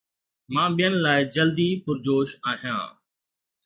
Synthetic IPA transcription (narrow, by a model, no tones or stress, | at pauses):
mãːɓijənɪ̆laːɪd͡ʑəld̪ipʊɾd͡ʑoːʃaːɦijã̰ː